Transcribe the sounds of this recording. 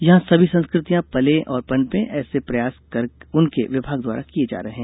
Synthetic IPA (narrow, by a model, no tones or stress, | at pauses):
jɐɦãsɐbʱisɐ̃nskɾɪt̪ijãpɐlẽʔɔːɾpɐnpẽʔɛːsepɾɐjaːskɐɾʊnkeʋɪbʱaːɡd̪wa̰ːɾakied͡ʒa̰ːɾɐɦeɦɛ̃ː